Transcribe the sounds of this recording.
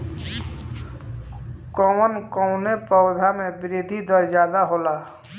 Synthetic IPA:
kɔmənkɔʊnepɔwd̪ʱamẽbɪɾeːd̪ʱid̪ɔɾd͡ʒaːd̪aɦoːlaː

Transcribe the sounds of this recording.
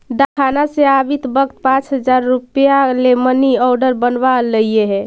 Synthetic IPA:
d̪akʰanaseabit̪bəkt̪̚pãt͡ʃɦəd͡ʒaɾːupjaleməniɔɾɖəɾbənbaləijeɦɛ

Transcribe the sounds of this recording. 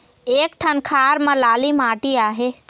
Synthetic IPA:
eːk̚ʈʰənkʰaːɾmə̃laːlimaːʈiaːɦe

